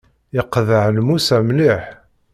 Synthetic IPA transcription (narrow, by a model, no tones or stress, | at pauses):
jɪqːðəʕlmusæmliħ